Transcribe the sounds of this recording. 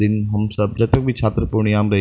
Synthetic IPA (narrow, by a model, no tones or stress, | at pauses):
d̪ɪnɦɐmsɐb̚d͡ʒɐt̪ək̚bʱit͡ʃʰaːt̪ɾəpuɾɳ̃ijaːmɾɐɦ